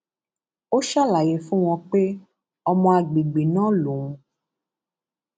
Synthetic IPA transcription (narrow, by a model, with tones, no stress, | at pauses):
o˦ʃa˦la˨je˨fũ˦w̃ɔ̃˧k͡pe˦ | ɔ˧mɔ̃˧a˨ɡ͡bi˨ɡ͡bi˨nã˦lu˨ŋũ˨